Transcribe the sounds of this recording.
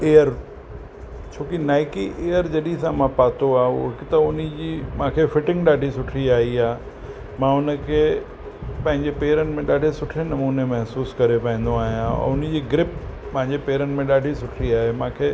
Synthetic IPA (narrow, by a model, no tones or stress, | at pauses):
eːəɾ | t͡ɕʰoːkinaːɪkiʔeːəɾd͡ʑɐɗisãmãpaːt̪oaːʊ̰kt̪ɐʊnid͡ʑiːmãːkʰefɪʈɪ̃ŋɡɗaːɖʱisʊʈʰiaːɦiaː | mãːʊnə̆kʰeː | pɐ̃ɦɪ̃ɲd͡ʑepeːɾənɪ̆mẽɗaːɖʱisʊʈʰenɐmuːnemɐɦsuːskɐɾepɐ̃ɦĩːn̆d̪oaːɦijãɛ̰ʊnid͡ʑiːɡɾɪp̚pɐ̃ɦɪ̃ɲd͡ʑepeːɾənɪ̆mẽɗaːɖʱisʊʈʰiaːɦemãːkʰeː